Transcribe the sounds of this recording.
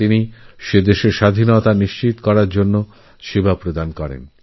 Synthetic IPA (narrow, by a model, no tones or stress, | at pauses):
iniʃed̪eʃeɾʃad̪ʱinot̪aniʃt͡ɕit̪kɔɾaɾd͡ʑonːo | ʃibʱapɾod̪ankɔɾḛn